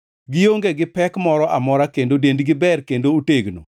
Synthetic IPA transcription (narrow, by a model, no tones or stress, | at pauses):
ɡɪjoŋɡeɡɪpɛkmɔɾɔʔamɔɾakendodendɡɪbɛrkendooteɡno̰